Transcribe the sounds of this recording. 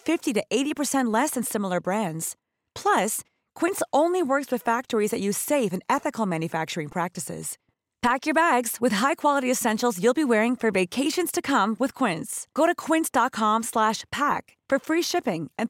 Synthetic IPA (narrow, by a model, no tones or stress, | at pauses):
fɪftiɾɨʔeɪɾipə˞sɛ̃nʔlɛsɨ̃nsɪ̃ml̩ˠə˞bɹæ̃ndz̥ | pʰl̥ʌs | kʰw̥ɪ̃ntsõʊ̃nliwɜ˞kswɨð̥fæk̚tə˞izðɨt͡ʃɨ̥seɪfɨ̃nɛθɨkl̩ˠmæ̃njɨfæk̚t͡ʃə˞ɪ̃ŋpʰɹ̥æk̚tɨsɪ̰z̥ | pʰækjə˞bæɡz̥wɨð̥ɦaɪkʰw̥ɑlˠəɾiɨsɛ̃nʃl̩ˠzjulˠbiwɛɹɪ̃ŋfə˞veɪkʰeɪʃɨ̃nz̥tʰɨkʰʌ̃mwɨð̥kʰw̥ɪ̃ntsɡ̥oʊɾɨkʰw̥ɪ̃ntsd̥ɑt̚kʰɑ̃mslæʃpʰæk | fə˞fɹiʃɪpɪ̃ŋʔɨ̃n